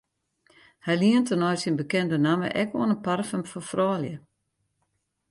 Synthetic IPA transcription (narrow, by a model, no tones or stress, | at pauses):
hɛjliəntənɔjsinbəkɛndənamə̰ʔɛkoənənparfəmfɔfrɔːljə